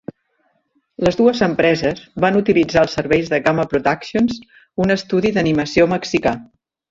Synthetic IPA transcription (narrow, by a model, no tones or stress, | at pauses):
ləzðuəzəmpɾɛzəzβanut̪ilid͡zaəlˠsːəɾβɛjzðəɣaməpɾut̪aksions | unəst̪uðiðəniməsioməksika